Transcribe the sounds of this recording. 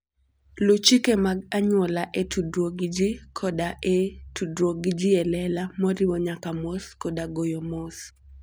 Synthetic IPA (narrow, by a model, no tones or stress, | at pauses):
lot͡ʃikemaɡaɲwɔlaʔetʰudɾoɡd͡ʒikʰɔdaʔetudwoɡd͡ʒiɛlɛlamɔɾiwɔɲakamoskɔdaɡojomɔs